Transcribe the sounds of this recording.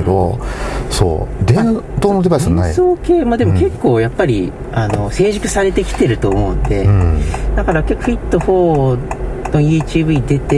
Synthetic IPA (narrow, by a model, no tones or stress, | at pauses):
d̪o | so̰ːd̪ẽt̪oːnod̪e̞baissɨnaisoːke̞ːmaːd̪e̞moke̞kːo̞ːjapːaɾʲi | ano̞se̞ːʑikɯ̟̥saɾe̞t̪e̞kʲi̥t̪e̞ɾɯ̟t̪o̞ːmo̞ɯ̟̰̃nd̪e̞̰d̪̥akaɾake̞kːoɸʲit̪ːohoː | nojiːt͡ɕiːbɯ̟id̪e̞t̪e